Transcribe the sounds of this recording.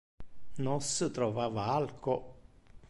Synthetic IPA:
nosət̪ɾɔvaːvaalko

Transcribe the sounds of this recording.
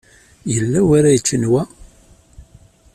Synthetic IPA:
jəlːæwaɾæjət͡ʃːənwæ

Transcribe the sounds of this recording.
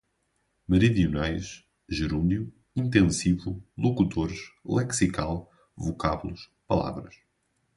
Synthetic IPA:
mɨɾiðiunajʃ | ʒɨɾũnd̪ju | ĩnt̪ẽsivulˠukut̪ʰoɾʃlˠɛksikalˠ | vukaβulˠuʃ | pɐlˠa̰vɾɐʃ

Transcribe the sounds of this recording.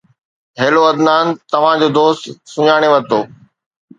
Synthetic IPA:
ɦeːloɐd̪naːnt̪ɐʋ̤ãd͡ʑoːd̪oːst̪sʊɲaːɽ̃eʋɐt̪oː

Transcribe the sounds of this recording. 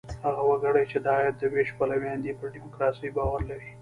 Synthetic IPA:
haɣawaɡaɽajt͡ʃed̪ɑjat̪̚d̪əbeʃpalawjɑnd̪ipəɾɖimʊkɾɑsijbɑwaɾlaɾi

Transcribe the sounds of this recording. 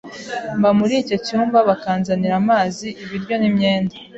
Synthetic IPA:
mbamuɾiːco̞cuːmbaβakaːnzaniɾamaːziːβiɾɟo̞nimɲe̞ːnda

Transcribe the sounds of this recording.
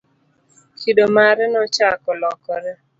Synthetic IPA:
kʰidomaɾɛnɔt͡ʃakɔlɔkɔɾɛ

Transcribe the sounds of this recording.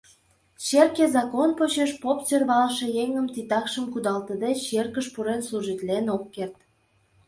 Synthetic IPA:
t͡ɕerkezɑkonpot͡ɕeʃpopt͡sørβɑlʃe̽jeŋəmt̪it̪ɑkʃəmkud̪ɑlt̪əd̪et͡ɕt͡ɕerkəʃpuɾensluʒit̪lenokːert̪

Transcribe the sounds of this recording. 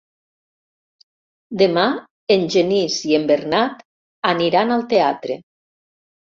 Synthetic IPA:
d̪ema | enʲʒenisiembeɾnat̪ | aniɾanalˠt̪eat̪ɾḛ

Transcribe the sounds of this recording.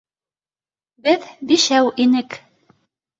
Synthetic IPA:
bɘðbiʃæwʔinɘk

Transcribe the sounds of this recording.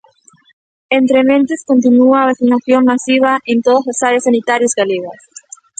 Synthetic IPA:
ent̪ɾemẽnt̪eskont̪̬inuaβeθinaθjoŋmasiβaʔent̪oðazlasaɾjasːanit̪aɾjozɣaleɣas

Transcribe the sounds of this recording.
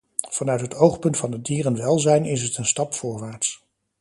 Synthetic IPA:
v̥ɑnœɥtɦətowχpɵntfɑndədiːrənʋɛlˠzɛjnɪs̬ɦətənstɑpfʊːɹʋaːɹts

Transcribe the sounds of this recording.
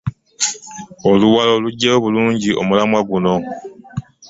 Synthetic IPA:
oluwaloluɟeoβuluɲɟiʔo̰mulamwaɡunɔ

